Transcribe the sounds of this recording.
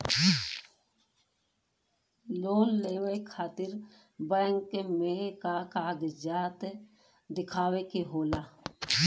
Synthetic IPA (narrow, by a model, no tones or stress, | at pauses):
loːnleːʋekʰaːt̪ɪɾ | bəŋkmẽkakaːɡd͡ʒaːt̪ | d̪ɪkʰaːwekeɦoːlaː